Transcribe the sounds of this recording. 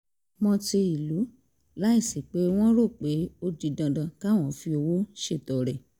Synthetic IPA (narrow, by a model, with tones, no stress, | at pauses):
mɔ̃˧ti˧i˨lu˨˦ | la˦i˦˨si˨k͡pe˨˦w̃ɔ̃˦ɾo˦˨k͡pe˨˦o˧d͡ʒi˧dã˧dã˧ka˦˨w̃ɔ̃˦˨fi˧o˧wo˦ʃe˦˨tɔ˨ɾɛ˨